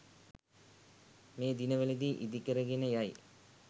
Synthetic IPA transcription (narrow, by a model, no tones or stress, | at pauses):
meːd̪inɐʋɐlid̪iʔid̪ikːɐɾɐɡinɐjaːj̰